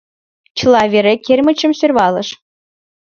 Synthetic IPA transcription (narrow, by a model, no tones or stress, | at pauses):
t͡ɕɯlˠɑvʲeɾekʲerʲmɘ̆t͡ɕɘ̆msørʲβɑlɤ̆ʃ